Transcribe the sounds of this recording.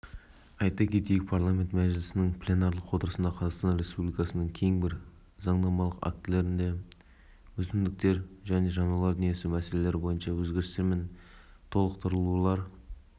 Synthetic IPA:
ɑjt̪ɑkʲʰe̞t̪ejɪk̚pʰaɾlˠamʲe̞nt̪mæʒɪlɪsɪnɪŋpʰlʲe̞nɑɾlˠəqwo̞t̪əɾəsənd̪ɑqʰɑzɑʁqst̪ɑnɾe̞spublʲijkɑsənəŋkʲʰe̞jɪŋbɪɾ | zɑɴnɑmɑlˠəqa̰k̚t̪ɪle̞ɾɪnd̪e̞ | wɵzɪmd̪ɪk̚t̪e̞ɾʒæne̞ʒɑnɑlˠɑɾd̪ʏnjesɪmæse̞le̞leɾɪbo̞jənʃɑwɵzɡʲe̞ɾɪst̪ɪɾmɪn | t̪ʰo̞lˠəqt̪ʰəɾəlˠulˠɑɾ

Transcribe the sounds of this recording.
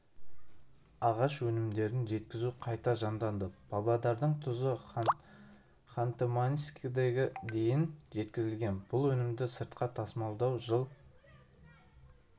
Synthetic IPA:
ɑʁɑʃwɵnɪmd̪e̞ɾɪnʒe̞t̪̚kʲɪzuqʰɑjt̪ɑʒɑnd̪ɑnd̪əbʰɑlˠɑd̪ɑɾd̪əɴt̪ʰʊzə | χant̪emaniskʲid̪eɡʲɪd̪e̞jɪnʒe̞t̪kʲɪzɪlɡʲe̞nb̥ʊlˠwɵnɪmd̪ɪsəɾt̪̚qɑt̪ʰɑsmɑlˠd̪ɑwʒəlˠ

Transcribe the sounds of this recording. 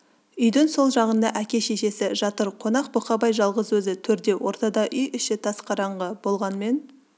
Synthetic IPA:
ʏjd̪ɪŋso̞lˠʒɑʁənd̪ɑʔækʲe̞ʃe̞ʃe̞sɪʒɑt̪əɾqʰo̞nɑq̚boqɑbɑjʒɑlˠʁəzwɵzɪt̪ʰɵɾd̪e̞wʔo̞ɾt̪ɑd̪ɑʔʏjʔʏʃɪt̪ʰɑsqʰɑɾɑɴʁəb̥o̞lˠʁɑnme̞n

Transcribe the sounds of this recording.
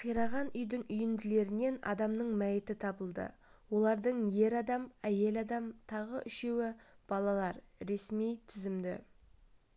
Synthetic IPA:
qʰijɾɑʁɑnʏjd̪ɪŋʏjɪnd̪ɪle̞ɾɪne̞nɑ̰d̪ɑmnəɴmæjɪt̪ɪt̪ʰɑbəlˠd̪ə̰ | wo̞lˠɑɾd̪əɴje̞ɾɑd̪ɑmæje̞lɑd̪ɑmt̪ʰɑʁə̰ʔʏʃe̞wɪb̥ɑlˠɑlˠɑɾɾe̞smijt̪ʰɪzɪmd̪ɪ̰

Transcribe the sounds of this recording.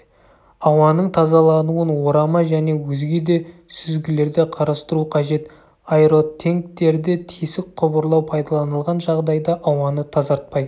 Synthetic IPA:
ɑwɑnəɴt̪ʰɑzɑlˠɑnuənwo̞ɾɑmɑʒæne̞wɵzɡʲe̞d̪e̞sʏzɡʲɪle̞ɾd̪ɪqʰɑɾɑst̪əɾuqʰɑʒe̞t̪ | ɑjɾo̞t̪ʰːe̞ŋk̚t̪e̞ɾd̪ɪt̪ʰijsɪk̚qʰʊbəɾlˠɑwpʰɑjd̪ɑlˠɑnəlˠʁɑnʒɑʁd̪ɑjd̪ɑʔɑwɑnət̪ʰɑzɑɾt̪̚pɑj

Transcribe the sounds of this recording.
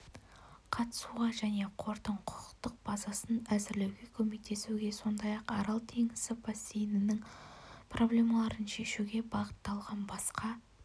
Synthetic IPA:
qʰɑt̪ə̥suʁɑʒæne̞qʰo̞ɾt̪əɴqʰʊ̥qə̥qt̪əq̚b̥ɑzɑsənæzɪɾle̞wɡʲe̞kʲʰɵme̞k̚t̪ʰe̞suɡʲe̞so̞nd̪ɑjɑqɑɾɑlˠt̪ʰe̞ŋɪsɪpʰasijnɪnɪŋprʔo̞blʲe̞mɑlˠɑɾənʃe̞ʃuɡʲe̞bɑʁət̪ːɑlˠʁɑnbɑsqɑ

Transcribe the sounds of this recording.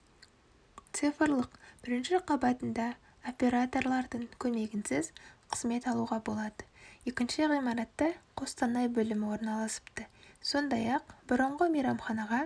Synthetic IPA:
t̪sɨfəɾlˠəqb̥ɪɾɪnʃɪqʰɑbɑt̪ənd̪ɑ | o̞pʲe̞ɾat̪o̞rlˠɑɾd̪əɴkʲʰɵme̞ɡʲɪnsɪzqʰə̥z̥me̞t̪ɑlˠuʁɑbo̞lˠɑd̪əjekʲɪnʃɪʁijmɑɾɑt̪ːəqʰo̞st̪ɑnɑjbɵlɪmɪwo̞ɾnɑlˠɑsə̥pt̪əso̞nd̪ɑjɑqbʊɾəɴʁəmijɾɑmχɑnɑʁɑ

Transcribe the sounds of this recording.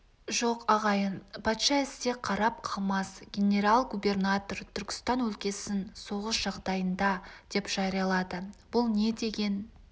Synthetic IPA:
ʒo̞qɑʁɑjənpʰɑt̪ʃɑɪst̪e̞qʰɑɾɑp̚qʰɑlˠmɑsɡʲe̞nʲe̞ɾɑlˠɡube̞rnat̪ort̪ʰʏɾkʲɪ̥st̪ɑnwɵlkʲe̞sɪnso̞ʁəsʒ̥ɑʁd̪ɑjənd̪ɑd̪̥e̞pʒ̥ɑɾijɑlˠɑd̪əb̥ʊlˠne̞d̪e̞ɡʲe̞n

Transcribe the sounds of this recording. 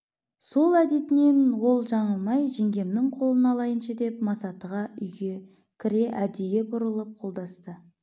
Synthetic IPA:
so̞lˠæd̪e̞t̪ɪne̞nwo̞lˠʒɑɴəlˠmɑjʒeŋɡʲe̞mnɪŋqʰo̞lˠənɑlˠɑjənʃɑd̪e̞pmɑsɑt̪əʁɑʏjɡʲe̞ | kʲʰɪɾe̞ʔæd̪ejebʊɾəlˠəp̚qʰo̞lˠd̪ɑst̪ə

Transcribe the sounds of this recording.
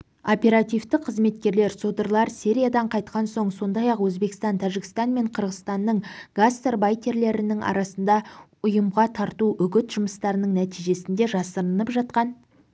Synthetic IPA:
o̞pʲe̞ɾat̪ijvt̪ɪqʰəzme̞t̪kʲe̞ɾle̞ɾsod̪əɾlˠɑɾsiɾʲijad̪ɑɴqʰɑjt̪qɑnso̞ɴso̞nd̪ɑjɑqwɵzbe̞kɪ̥st̪ɑnt̪ʰæʒɪkʲɪ̥st̪ɑnme̞ɴqʰəɾʁəst̪ɑnːəɴɡ̥ast̪erbajt̪ʲe̞ɾle̞ɾɪnɪŋʔɑ̰ɾɑsənd̪ɑʊjəmʁɑt̪ʰɑɾt̪uʔʏɡʲɪt̪ʒ̥ʊməst̪ɑɾənəŋnæt̪ijʒe̞sɪnd̪e̞ʒɑsəɾənəpʒɑt̪̚qɑn

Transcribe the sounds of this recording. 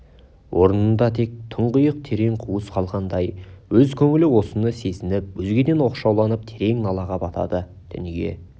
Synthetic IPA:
wʔo̞ɾənənd̪ɑt̪ʰe̞k̚t̪ʰəɴʁəjəq̚t̪ʰe̞ɾe̞ŋqʰuwəsqʰɑlˠʁɑnd̪ɑjwɵzkʲʰɵŋɪlɪwo̞sənəse̞sɪnɪpwɵzɡʲe̞d̪e̞nwo̞qʃɑwlˠɑnəp̚t̪ʰe̞ɾe̞ŋnɑlˠɑʁɑbɑt̪ʰɑ̰d̪ə | d̪̥ɪ̰nɪɡʲe̞̰

